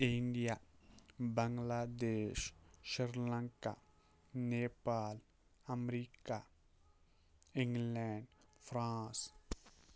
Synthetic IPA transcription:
ɪ̃ɳɖija | bəŋɡlaːd̪eːʃʃɪɾlãŋka | neːpaːl | ɐmɾiːka | ɪ̃ŋɡlɛːɳɖfʰɾãːs

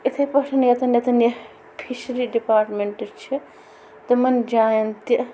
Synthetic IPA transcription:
it̪ʰɐpɐʈʰɐnjɐt̪ɐnjɐt̪ɐnjɐ | pʰiʃɐɾiɖipaːɾʈmeɳʈt͡ʃʰi | t̪ɐmɐnd͡ʒaːjɐnt̪i

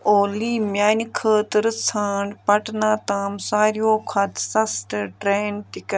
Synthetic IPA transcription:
oːliːmjaːnkʰəːt̪ɨɾɨsʰaːɳɖpɐʈnaːt̪aːmsaːɾjoːkʰɐt̪sɐsʈ̪ʈɾeːntɪkɐ

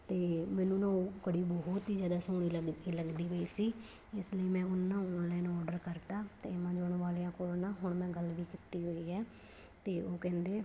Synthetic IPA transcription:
t̪eːmɛ̃ːnũːnãːokəɽiːbɔɦʊt̪iːd͡ʒaːd̪aːsoːɽiːləɡiːləɡd̪iːʋəiːsiː | ɪsləiːmɛ̃ːʊnːãːʊnlaːnːɔːɖəɾkəɾd̪aːt̪ḛːɪmãːd͡ʒoːɳʋaːliːãːkoːlnãːɦʊɳmɛ̃ːɡəlʋiːkɪt̪iːɦoːiːɛː | t̪eːoːkɛ̃ːnd̪eː

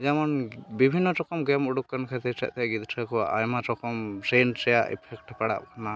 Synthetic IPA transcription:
d͡ʒamɔnbibʱinːɔtɔkɔmɡɛmuɽukːankʰɛt̪it͡ʃɛ̰ʔt̪ɛɡid̪ʈʰakɔa̰ʔa̰jmatɔkɔmsent͡ʃɛjaʔɛ̰pʰɛkʈpɛɽa̰p̚kʰɔna

